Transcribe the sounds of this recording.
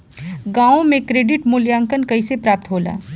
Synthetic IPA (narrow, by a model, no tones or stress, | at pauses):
ɡãːõmẽkɾeːɖɪʈmʊljaːŋkənkɐisepɾaːp̚t̪ɦoːla̰ː